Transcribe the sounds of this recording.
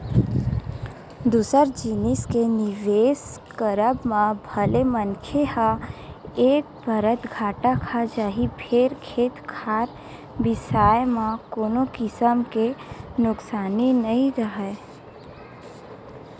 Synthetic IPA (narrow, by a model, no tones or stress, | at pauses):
d̪uːsəɾd͡ʒinɪskenɪʋeːskəɾəbmãbʱəlemənkʰehã | eːk̚bəɾət̪ɡʱaːʈakʰad͡ʒaːɦibʱʰeːɾkʰeːt̪kʰaːɾ | bɪsaːjmãkoːnokɪsəmkenʊksaːninəĩɾəɦɛ